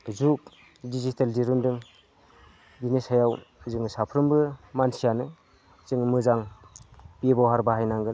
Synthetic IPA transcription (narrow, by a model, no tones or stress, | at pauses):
zuk̚ | dizitaldiɾundɯŋ | binisajawzɯŋsapʰɾɯmbɯmansijanɯ | zɯŋmɯzaŋ | pibawɦaɾbaɦajnaŋɡɯ